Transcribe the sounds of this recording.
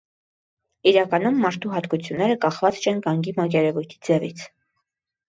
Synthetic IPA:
iɾɑkɑn̪umːɑɾt̪ʰuɦɑt̪kut͡sʰjunːɛɾəkɑχvɑt͡st͡ʃʰɛnɡɑŋɡimɑk̬jɛɾɛvujt̪ʰi̥d͡zɛvit͡sʰ

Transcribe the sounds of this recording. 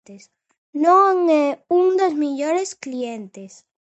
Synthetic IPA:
t̪es | nõŋɛuŋd̪ozmiʎoɾesklient̪es

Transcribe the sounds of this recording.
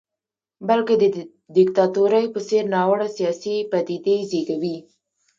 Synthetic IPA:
bəlked̪ə | d̪ɪkt̪ɑt̪uɾajpəseɾnɑwəɽasijɑsipat̪id̪ezeɡawi

